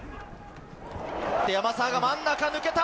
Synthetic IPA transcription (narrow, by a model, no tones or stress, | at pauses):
t̪eamasãɡamanːakanɯ̟ke̞t̪a